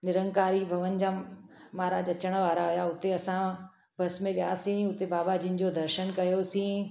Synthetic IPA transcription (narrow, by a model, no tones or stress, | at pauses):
nɪɾə̃ŋɡkaːɾibʱɐʋən̆d͡ʑaːmaːɾaːd͡ʑɐt͡ɕəɽ̃ə̆ʋaːɾaʊjaʊt̪eɐsã | bʱɐsmẽʋija̰ːsĩʊt̪ebaːbad͡ʑɪ̃n̆d͡ʑod̪ʱɐɾʃənkɐjosĩː